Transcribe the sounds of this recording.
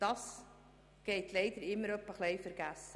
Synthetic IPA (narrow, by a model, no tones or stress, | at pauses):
d̥ɑːs | ɡ̥eɪtʰleɪd̥əɾɪmːəɾœpəχleɪfəɾɡæsə